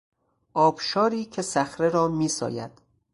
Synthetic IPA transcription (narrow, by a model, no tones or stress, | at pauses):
ʔɒːbʃɒːɾiːcʰe̞sæxɾeɾɒːmiːsɒ̰ːjæ̰d̪̥